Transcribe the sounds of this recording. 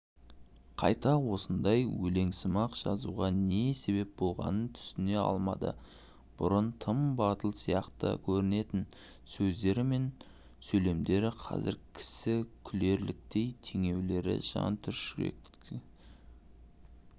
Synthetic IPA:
qʰɑ̰jt̪ɑwo̞sənd̪ɑjwɵle̞ŋsəmɑqʒ̥ɑ̰zuʁɑne̞se̞βe̞p̚bo̞lˠʁɑ̰nənt̪ʰʏ̥sɪne̞ɑ̰lˠmɑd̪ə̰ | b̥ʊ̰ɾənt̪ʰəmbɑt̪əlˠsijɑqt̪ə̰kʲʰɵɾɪne̞t̪ɪn | sɵzd̪e̞ɾɪme̞n | sɵle̞md̪e̞ɾɪqʰɑ̰zɪɾkʲʰɪ̥sɪkʲʰʏle̞ɾlɪk̚t̪e̞jt̪ʰeŋe̞wle̞ɾɪ̰ʒ̥ɑ̰nt̪ʰʏɾʃḛk

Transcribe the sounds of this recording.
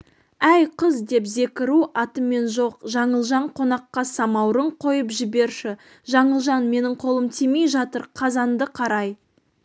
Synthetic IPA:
æjqʰəzd̪e̞pze̞kʲɪɾuɑt̪əme̞nʒo̞qʒɑɴəlˠʒɑɴqʰo̞nɑqːɑsɑmɑwɾəɴqʰo̞jəpʒɪbe̞ɾʃɪ | ʒɑɴəlˠʒɑnme̞nɪɴqʰo̞lˠəmt̪ʰemejʒɑt̪əɾqʰɑzɑnd̪əqʰɑɾɑj

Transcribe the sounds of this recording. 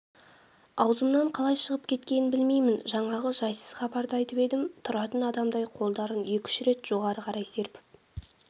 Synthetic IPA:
ɑwzəmnɑɴqʰɑlˠɑjʃəʁəpkʲʰe̞t̪kʲe̞nɪnbɪlme̞jmɪnʒɑɴɑʁəʒɑjsəz̥χɑbɑɾd̪əɑjt̪əpe̞d̪ɪmt̪ʰʊɾɑt̪ənɑd̪ɑmd̪ɑjqʰo̞lˠd̪ɑɾənje̞kʲɪ̥ʃɪɾe̞t̪ʒ̥o̞ʁɑɾəqʰɑɾɑjse̞ɾpɪ

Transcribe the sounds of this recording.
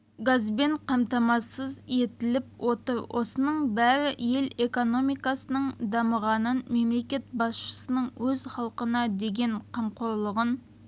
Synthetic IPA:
ɡɑzbeɴqʰɑmt̪ɑmɑsəze̞t̪ɪlɪp̚wʔot̪əɾwʔo̰sənəɴbæɾɪje̞lekono̞mijkɑsənəɴd̪ɑməʁɑnənmemle̞kʲe̞t̪̚bɑsʃə̥sənəɴwɵzχɑlˠqənɑd̪eɡʲe̞nqʰɑmqoɾlˠəʁən

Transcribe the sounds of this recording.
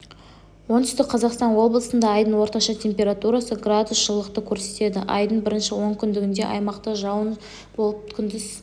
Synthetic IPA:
wo̞nt̪ʏst̪ɪkqʰɑzɑqst̪ɑnwo̞blˠəsənd̪ɑːjd̪əɴwo̞ɾt̪ɑʃɑt̪ʲʰe̞mpʲe̞ɾat̪uɾasəɡrad̪usʒ̥əlˠːəqt̪əkʲʰɵɾse̞t̪e̞d̪ɪʔɑ̰jd̪əɴbɪɾɪnʃɪwo̞ŋkʲʰʏnd̪ɪɡʲɪnd̪e̞̰ʔɑ̰jmɑqt̪əʒɑwən | bo̞lˠəp̚ʲʰɪnd̪ɪz

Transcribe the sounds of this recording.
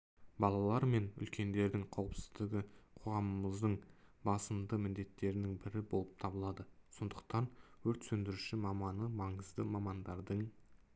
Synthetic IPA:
bɑlˠɑlˠɑɾme̞nʏ̰lkʲe̞nd̪e̞ɾd̪ɪŋqʰɑwəpsɪ̥zd̪ɪɡʲɪqʰo̞ʁɑməməzd̪əɴbɑsəmd̪əmɪnd̪e̞t̪ːe̞ɾɪnɪŋbɪɾɪbo̞lˠəp̚t̪ʰɑbəlˠɑd̪əso̞nd̪əq̚t̪ɑnwɵɾt̪sɵnd̪ɪɾuʃɪmɑmɑnəmɑɴəzd̪əmɑmɑnd̪ɑɾd̪əɴ

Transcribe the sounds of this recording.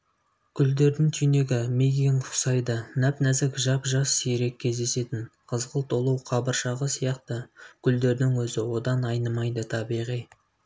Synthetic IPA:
kʲʰʏld̪e̞ɾd̪ɪŋt̪ʰyjne̞ɡʲɪmeɡʲijɪnqʰʊ̥sɑjd̪ənæpnæzɪkʒɑpʒɑsːiɾe̞kʲʰːe̞zd̪e̞se̞t̪ɪnqʰəzʁəlˠt̪ʰo̞lˠuwqʰɑbəɾʃɑʁəsijɑqt̪əkʲʰʏld̪e̞ɾd̪ɪŋwɵzɪwo̞d̪ɑnɑjnəmɑjd̪ət̪ʰɑbiʁij

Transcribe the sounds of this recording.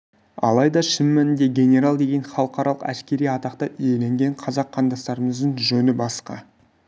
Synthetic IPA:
ɑ̰lˠɑjd̪ɑʃɪmːænɪnd̪e̞ɡʲe̞nʲe̞ɾalˠd̪e̞ɡʲe̞nχɑlˠəqɑɾɑlˠəqæ̰skʲe̞ɾijɑt̪ɑqt̪ɑʔʏje̞le̞ŋɡʲe̞ɴqʰɑzɑqʰːɑnd̪ɑst̪ɑɾəməzd̪əɴʒɵnɪbɑsqɑ̰

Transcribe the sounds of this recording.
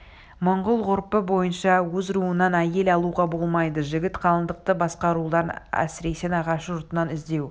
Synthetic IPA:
mʊɴʁʊlˠʁʊɾpəbo̞jənʃɑwɵzɾuənɑnæje̞lɑlˠuʁɑbo̞lˠmɑjd̪əʒɪɡʲɪt̪qʰɑlˠənd̪əq̚t̪əbɑsqɑɾulˠɑɾnæ̰sɪɾe̞senɑʁɑʃʒʊɾt̪ənɑnɪzd̪e̞w

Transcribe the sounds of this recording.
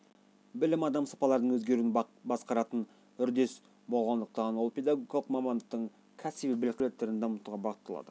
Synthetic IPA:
bɪlɪmɑd̪ɑmsɑ̥pɑlˠɑɾd̪əɴwɵzɡʲe̞ɾuɪnbɑsqɑɾɑt̪ən | ʏɾd̪e̞s | bo̞lˠʁɑnd̪əq̚t̪ɑnwolˠpʰʲed̪ɑɡoɡʲjalˠəqmɑmɑnd̪əq̚t̪əɴ | kʲʰæsibibɪlɪk̚ʲt̪let̪ːeɾɪnd̪eʊmət̪uʁɑbɑʁət̪ːɑlˠɑ̰d̪ə

